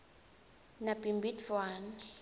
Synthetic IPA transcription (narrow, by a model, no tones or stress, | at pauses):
nabimbitfwan